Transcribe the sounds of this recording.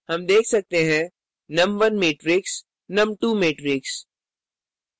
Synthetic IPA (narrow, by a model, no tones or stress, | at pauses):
hɐmd̪eːkʰsɐk̚t̪eɦɛ̃ | nɐ̃mʋɐnmeːʈɾɪks | nɐmʈuːmeːʈɾɪks